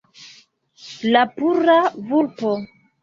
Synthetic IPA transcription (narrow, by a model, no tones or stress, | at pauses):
lapuɾavuɾpo